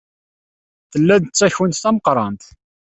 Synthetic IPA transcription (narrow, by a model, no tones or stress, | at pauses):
θəlːæðt͡sːæçwənt̪θæməqɾˤɑnt̪